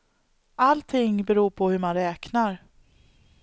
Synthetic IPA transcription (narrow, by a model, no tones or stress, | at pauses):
alt̪ʰɪŋbɛɾuːpʰɔhɵɾmanɾɛːknaɾ